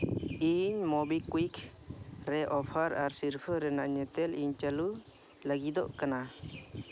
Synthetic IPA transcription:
iɲmɔbikuikʰ | ɾɛʔɔpʰaɾaɾsiɾpʰəɾɛnaɲɛt̪ɛliɲt͡ʃalu | laɡid̪ɔʔkana

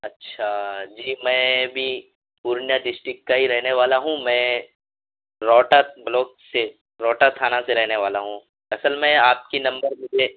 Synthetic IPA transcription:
ɐtːʃʰad͡ʒiːmɛ̃ːbʱi | puːɾnjaɖɪsʈɾɪkːaɦiɾɛɦneʋaːlaɦũmɛ̃ː | ɾɔːʈablɔːkse | ɾɔːʈat̪ʰaːnaseɾɛɦneʋaːlaɦũ | ɐsəlmẽaːp̚kinɐ̃mbəɾmʊd͡ʒʱe

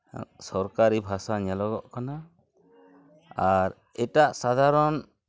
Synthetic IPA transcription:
sɔɾkaɾibʱasaɲalɔɡɔʔkana | aɾ | ɛtaʔsad̪ʱaɾɔn

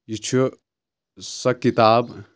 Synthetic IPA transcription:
jit͡ʃʰu | sɐkːit̪aːb

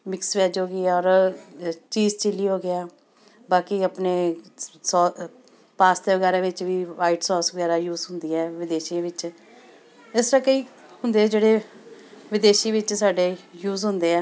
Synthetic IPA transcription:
mɪksʋɛːd͡ʒɦoːɡɪɛːɔːɾ | t͡ʃiːzt͡ʃɪlːiːɦoːɡɪaː | baːkiəpneːsɔː | paːst̪eːʋəɡɛːɾaːʋɪt͡ʃʋiːʋaːɪʈsɔːsʋəɡɛːɾaːjuːzɦʊ̃nd̪iːɛːʋɪd̪eːʃiãːʋɪt͡ʃ | ɪsɾakəiː | ɦʊnd̪eːd͡ʒeːɽeː | ʋɪd̪eːʃiʋɪt͡ʃsaːɖeːjuːzɦʊ̃nd̪eːɛː

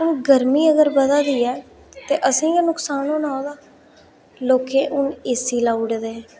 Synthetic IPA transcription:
ʊnɡəɾmiːəɡəɾbəd̪aːd̪iːɛː | t̪eːʔəsĩːjãːnʊksaːnõːnaːd̪aː | loːkẽːʔʊneːsiːlaːuɽd̪ẽː

